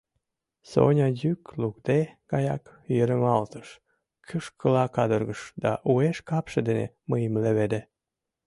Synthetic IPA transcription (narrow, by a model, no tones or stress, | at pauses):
so̰nʲɑjyklukd̪eɡ̥ɑjɑ̰kjeɾəmɑlt̪ə̥ʃ | kʰyʃkəlɑkɑd̪ərɣəʃd̪ɑ̰ʔueʃkɑpʃed̪enḛ | məjəmleβed̪e